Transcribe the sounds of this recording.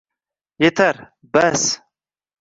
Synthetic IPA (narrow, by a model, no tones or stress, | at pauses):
jet̪ʰɐɾ | bɐs